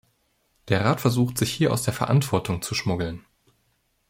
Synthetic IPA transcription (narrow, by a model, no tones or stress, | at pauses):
d̥eːɐʁaːtfɛɐzuːxtz̥ɪçhiːɐʔa̰ʊsd̥eːɐfɛɐʔa̰ntv̥ɔɐtʰʊŋt͡suʃmʊɡl̩n